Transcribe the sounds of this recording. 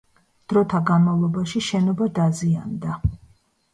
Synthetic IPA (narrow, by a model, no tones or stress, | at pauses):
d̪̥ɾɔt̪ʰaɡanmavlˠɔbaʃiʃɛnɔbad̪aziand̪a